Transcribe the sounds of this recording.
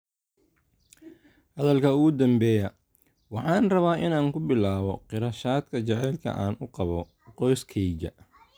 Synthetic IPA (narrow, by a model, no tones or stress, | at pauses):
hɐðɐlkʰɐʊɣʊd̪ɐmbɛːjɐ | wɑħɑːnrɐβaːʔɪnaːŋkʰʊbɪlaːβɔqɪɾɐʃaːd̪kʰɐt͡ʃɛʕɛːlkʰɐ̰ʔaːnʔʊqɑβɔ | qɔjskʰɛjd͡ʒɐ̰